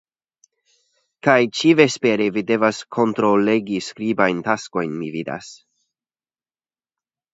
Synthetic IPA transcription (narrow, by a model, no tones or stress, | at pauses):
kajt͡ʃivespeɾevide̞vaskʰo̞nt̪ɾoleɡiskɾibajnt̪asko̞jnmivid̪a̰s